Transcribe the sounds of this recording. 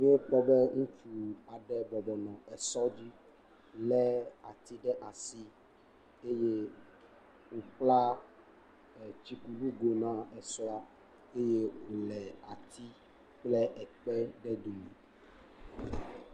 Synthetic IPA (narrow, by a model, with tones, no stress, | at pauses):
ŋ˦o˦k͡pɔ˦bɛ˦ŋũ˦t͡ʃu˨a˨ɖɛ˦bɔ˨bɔ˨nɔ̃˨ɛ˨sɔ˦d͡ʑi˦ | lɛ˦a̰˨t̪i˦ɖɛ˦ʔa˨si˦ | e˦je˦ | wo˨k͡pla˦˨ | t͡ɕi˨ku˨ɖu˦ɡo˨nã˦ɛ˨sɔ˦a˦ | e˦je˦wo˨lɛ˨a̰˨t̪ʰi˦ | k͡plɛ˦ʔɛ˨k͡pɛ˦ɖɛ˦d̪o˨me˨